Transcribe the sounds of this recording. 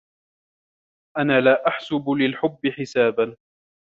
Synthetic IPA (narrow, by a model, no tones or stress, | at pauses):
ʔanaːlaːʔaħsʊbʊlɪlħʊbːɪħɪsaːban